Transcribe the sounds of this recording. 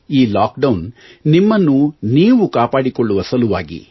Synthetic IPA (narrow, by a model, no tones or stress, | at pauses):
iːlaːk̚ɖɐwnnimːɐnːuniːʋukaːpaːɽikoɭːuʋɐsɐluʋa̰ːɡḭ